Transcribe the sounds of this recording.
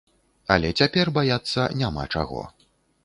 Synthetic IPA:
ɐ̰lʲɛt͡sʲapʲɛrbajat̪sːɐnʲama̰t͡ʂa̰ɣɔ̰

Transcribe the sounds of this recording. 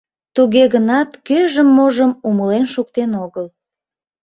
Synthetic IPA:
t̪uɣeɣənɑt̪køʒəmːoʒəmuməlenʃukt̪enoɣəl

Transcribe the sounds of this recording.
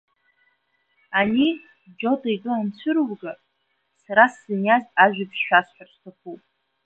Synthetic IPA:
ani | d͡ʒo̞tʼajɡʼɨant͡ɕʷʰɨɾwɡa | saɾasːɨnjazaʒᶣʷʏpsʃᶣasħᶣarstʰaχʰupʼ

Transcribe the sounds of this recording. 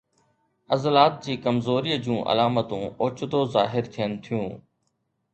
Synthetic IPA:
əzlaːt̪̚d͡ʑiːkəmzoːɾiːd͡ʑũːʔə̰laːmət̪ũːoːt͡ʃʊd̪oːzaːɦɪɾt̪ʰɪjənt̪ʰijũː

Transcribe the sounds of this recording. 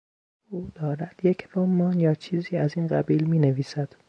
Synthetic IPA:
ʔuːd̪̥ɒːɾæd̪̥jecʰlomːɒːnjɒːt͡ʃʰiːziːæziːnɢæbiːlmiːneviːsæd̪̥

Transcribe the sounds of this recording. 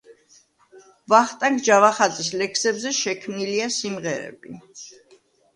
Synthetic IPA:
vaχt̪ʼaŋɡd͡ʒavaχad̪zʼis̬lɛkʰsɛbzɛʃɛkʰmniliasimʁɛɾɛ̰b̥i

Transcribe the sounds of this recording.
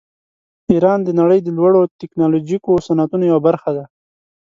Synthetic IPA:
iɾɑnd̪ənaɽəjd̪əlwaɽot̪ɪknɑlod͡ʒikosanat̪unojawabaɾxad̪a

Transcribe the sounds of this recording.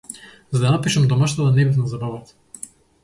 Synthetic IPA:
zad̪anapiʃamd̪ɔmaʃt̪at̪anɛbɛs̬nazabavat̪

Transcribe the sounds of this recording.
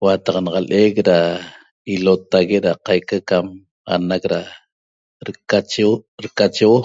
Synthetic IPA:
wat̪ɑqnɑʁɑlʔekɾa | ilot̪aɣeʔɾaqajkakam | a̰nakɾa | ɾkat͡ʃɾkat͡ʃewo

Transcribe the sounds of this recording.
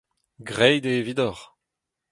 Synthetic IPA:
ɡʁɛjd̪eːvid̪ɔʁ

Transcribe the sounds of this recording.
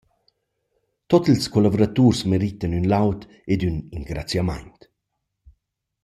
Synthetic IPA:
t̪ɔt̪ilskɔlavoɾat̪uːɾsmeɾit̪anynlawt̪ | ed̪yniŋɡɾat͡sjama̰jnt̪

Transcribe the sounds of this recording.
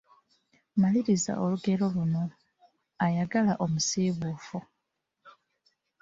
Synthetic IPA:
maliɾiza̰ʔo̞luɡe̞ɾo̞luno̞ | ajaɡalaʔo̞musiβuːfu

